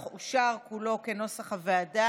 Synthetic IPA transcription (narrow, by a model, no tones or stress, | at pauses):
χuʃaʁkulo̞keno̞saχaveada